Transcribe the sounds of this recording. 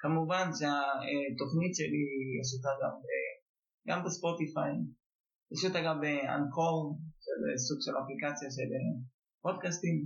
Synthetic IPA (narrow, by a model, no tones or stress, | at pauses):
kamuvanʃeaet̪o̞χnit̪ʃelijeʃut̪aɡa̰mbe | ɡa̰mbespo̞tifa | jaʃut̪aɡabea̰nkʰolʃelḛsuɡʃelaplikat͡sjaʃele | pod̪̚kast̪im